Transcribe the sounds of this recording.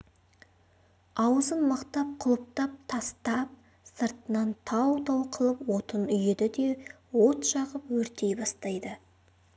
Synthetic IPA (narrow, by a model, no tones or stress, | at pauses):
ɑwəzənmɑqt̪ɑp̚qʰʊlˠəp̚t̪ɑp̚t̪ʰɑst̪ɑp̚ | səɾt̪ənɑnt̪ʰɑwt̪ʰɑwqʰəlˠəpwo̞t̪ənʏjed̪ɪd̪e̞ | wo̞t̪ʃɑʁəpwɵɾt̪e̞jbɑst̪ɑjd̪ə